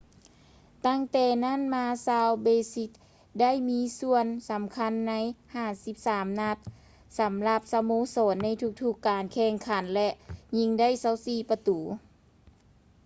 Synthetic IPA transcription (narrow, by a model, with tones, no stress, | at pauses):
t̪a˥˩˨ŋt̪ɛː˧˩na˥˨nmaː˧˥saː˧wbeː˧si˧˥t̪̚ | da˥˩˨jmiː˧˥su˧ənsa˨˦mkʰa˧˥˨nːa˧˥˨jhaː˧˩si˧˦p̚saː˨˦mna˧t̪̚ | sa˨˦mla˧p̚sa˧moː˧˥˨sɔː˨˦nːa˧˥˨jt̪ʰu˧˥k̚t̪ʰu˧˩kːaː˨nkʰɛː˧˩ŋkʰa˨˦nlɛ˧ʔɲi˧˥ŋda˥˨jsa˧˥˨wsiː˧˩pa˧t̪uː˨˦